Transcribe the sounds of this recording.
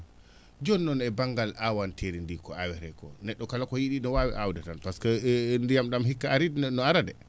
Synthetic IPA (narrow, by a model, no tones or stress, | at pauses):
d͡ʒɔnːɔnɛbaŋɡalawantʰeɾindikɔawɛɾɛkɔnɛɗːɔkalakɔjiɗinɔwawḭʔawdatanpaskɔndijamɗamɦikːaːɾidnɔaɾadɛ